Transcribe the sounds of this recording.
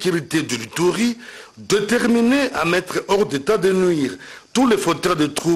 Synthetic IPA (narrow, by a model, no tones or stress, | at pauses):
kyʁit̪ed̪əlit̪uʁid̪et̪ɛʁmineʔamɛt̪χəɔʁd̪et̪ad̪enɥiʁt̪ulefot̪œd̪et̪χu